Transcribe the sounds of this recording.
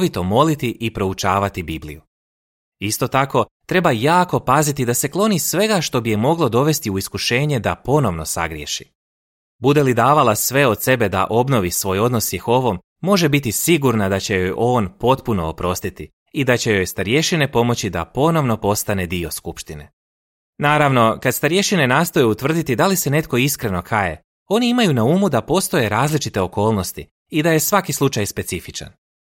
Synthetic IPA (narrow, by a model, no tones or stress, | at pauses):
ʋit̪o̞mo̞lit̪iʔipɾo̞ut͡ʃaːʋat̪ibiblḭju | ist̪o̞t̪ako̞t̪ɾe̞bajaːko̞pazit̪id̪ase̞klˠo̞nisʋe̞ɡaʃt̪o̞bijemo̞ɡlo̞d̪o̞ʋe̞st̪iuiskuʃe̞ːɲe̞d̪apo̞no̞ʋno̞sa̰ɡɾje̞̰ʃḭ | bud̪e̞lid̪aːʋalˠasʋe̞o̞d̪se̞be̞d̪a̰ʔo̞bno̞ʋisʋo̞ːjo̞d̪nosjexo̞ʋomːo̞ʒe̞bit̪isiɡuɾnad̪at͡ɕe̞jo̞jʔo̞ːnpo̞t̪puno̞̰ːpɾo̞st̪it̪i | id̪at͡ɕe̞jo̞jst̪aɾje̞ʃine̞po̞mo̞t͡ɕid̪a̰po̞no̞ʋno̞po̞st̪ane̞d̪io̞skupʃt̪ine̞̰ | naːɾaʋno̞kad̪st̪aɾje̞ʃine̞naːst̪o̞jeut̪ʋr̩d̪it̪id̪alise̞ne̞t̪ko̞iskɾe̞no̞kʰaje̞̰ | o̞niimajunauːmud̪apo̞ːst̪o̞je̞ɾaːzlit͡ʃit̪e̞o̞ko̞ːlˠno̞st̪i | id̪aje̞sʋakislˠut͡ʃajspe̞sifit͡ʃa̰n